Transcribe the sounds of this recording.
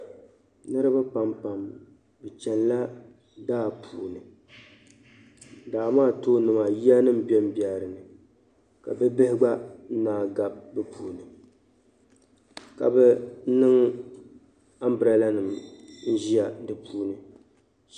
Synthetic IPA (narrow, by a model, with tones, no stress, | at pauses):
nɨ˦ɾɨ˦ba˦pa˨mpa˨m | bɨ˨t͡ʃɛ˨n˦la˦ | daː˦˨pʰuː˨nɨ˨ | daː˨maː˦˨to˦nɨ˨ma˨ji˦a˦nɨ˦mbɛ˦m˦ba˨ɾɨ˨nɨ˨ | ka̰˨bɛ˦bɨ˦hɪ˦ɡ͡ba˦naː˨ɡa˨b̚bɛ˦pʰuː˨nɨ˨ | ka̰˨bɛ˦nɨ˦ŋ | a˦m˦bɨ˨ɾa˨la˦nɨ˨mn̩˦ʒi˦a˨dɨ˨pʰuː˦nɨ˨